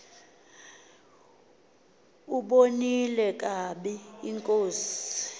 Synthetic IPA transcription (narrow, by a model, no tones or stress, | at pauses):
uɓonilɛkʼaɓɛiŋkʼoːsi̥